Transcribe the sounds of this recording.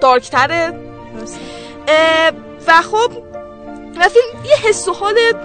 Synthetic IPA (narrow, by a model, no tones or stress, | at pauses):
d̪̥ɒːɾkʰt̪ʰæɾe | s | væxob̚ | væfilmjehesːohɒːle